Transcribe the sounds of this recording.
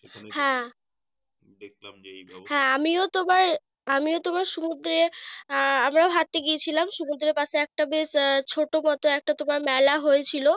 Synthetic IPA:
hɛ̃ | hɛ̃amiot̪omaɾ | amiot̪omaɾʃumud̪ɾe | amɾaoɦat̪ːeɡiet͡ɕʰilamʃumud̪ɾepat͡ɕʰeɛk̚ʈabeʃt͡ɕʰoʈomɔt̪oɛk̚ʈat̪omaɾmɛlaɦojet͡ɕʰilo

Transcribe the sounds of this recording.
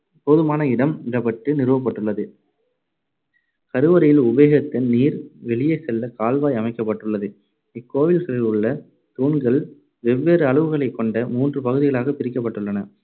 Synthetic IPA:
poːðɯmaːnɐɪɽɐmɪɾɐpɐʈːɯnɪɾɯʋɐp̬ːɐʈːɯɭːɐðɯ | kɐɾɯʋɐɾɐjɪlʊʋeːɣɐt̪ːɪnniːɾʋɛɭɪjɐɪsɛlːɐkaːlʋaːjɐmɐɪkːɐp̬ːɐʈːɯɭːɐðɯ | ɪkːoːʋɪlɣɐɭɪlɯɭːɐ | t̪uːɳɡɐɭ | ʋɛʋːeːɾɯɐɭɯʋɯɣɐɭɐɪkːɔɳɖɐmuːndrɯpɐɣɯðɪɣɐɭaːɣɐpɪɾɪk̬ːɐp̬ːɐʈːɯɭːɐnɐ

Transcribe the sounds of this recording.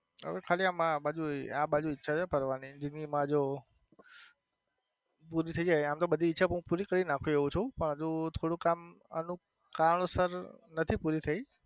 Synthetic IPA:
ɦə̰ʋekʰaliamãɓad͡ʒueãɓad͡ʒuɪtːʃʰat͡ʃʰepəɾʋanid͡ʒinimãd͡ʒo | puɾit̪ʰəid͡ʒajamt̪obəd̪ʱiːtːʃʰaũpuɾikəɾinãkʰũeʋũt͡ʃʰũpəɳɦəd͡ʒũt̪ʰoɽũkamə̰nũ | kaɾəɳosəɾnət̪ʰipuɾit̪ʰəi

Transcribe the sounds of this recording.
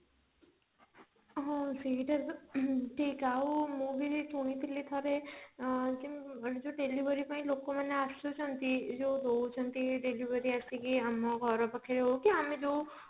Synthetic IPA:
ɦɔ̃siʈəɾʈʰiːkaumũbʱit̪ʰuɽ̃it̪ʰilit̪ʰɔɾe | d͡ʒid͡ʒoɖeliʋəɾipaĩlokomaneasot͡ʃʰɔnt̪id͡ʒod̪ot͡ʃʰɔnt̪iɖeliʋəɾiasikiamɔɡʱɔɾɔpakʰiɾeɦokiamed͡ʒo

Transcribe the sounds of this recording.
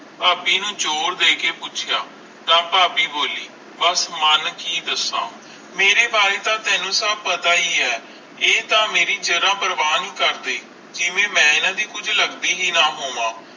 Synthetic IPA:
paːpiːnũːt͡ʃoːɾd̪eːkeːpʊt͡ʃʰɪjaː | nãːpaːpiːboːliː | bəsmənkiːd̪əsːã̰ː | meːɾeːbaːɾeːt̪ãːt̪ɛ̃ːnũːsəb̚pət̪aːiːɛː | eːt̪ãːmeːɾiːd͡ʒəɾãːbəɾʋaːnĩːkəɾd̪eː | d͡ʒɪʋẽːmɛ̃ːɪnãːd̪iːkʊd͡ʒʱləɡd̪iːɦiːnaːɦoːʋãː

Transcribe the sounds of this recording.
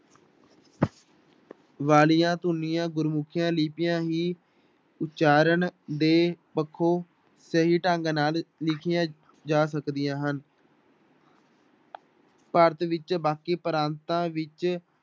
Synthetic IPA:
ʋaːlɪjãːt̪ʊnːijãːɡʊɾmʊkʰɪjãːliːpɪjãːɦiː | ʊtːt͡ʃaːɾəɳd̪eːpəkʰːoː | səɦiːʈãːŋɡnaːllɪkʰɪjãː | d͡ʒaːs̬əkd̪ɪjãːɦən | pəɾt̪ʋɪt͡ʃbaːkiːpəɾãːnt̪ãːʋɪt͡ʃ

